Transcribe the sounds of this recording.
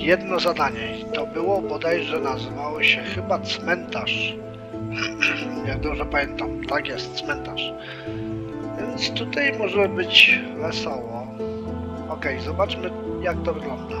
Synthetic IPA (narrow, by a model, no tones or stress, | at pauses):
jɛd̪nɔzad̪aɲɛ | t̪ɔbɘwɔbɔd̪ajʐɛnazɘvawɔɕɛxɘbat̪smɛnt̪aʂ | jaɡ̚d̪ɔbʐɛpamʲjɛnt̪amt̪aɡjɛst̪smɛnt̪aʂ | vʲjɛnt̪st̪ut̪ajmɔʐɛbɘt͡ɕvɛsɔwɔ | ɔkɛjzɔbat͡ʂmɘ | jak̚t̪ɔvɘɡlɔnd̪a